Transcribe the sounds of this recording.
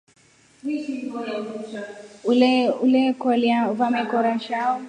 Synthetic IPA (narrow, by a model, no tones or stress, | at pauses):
ululɛkɔliauvamɛkɔɾaʃaɔ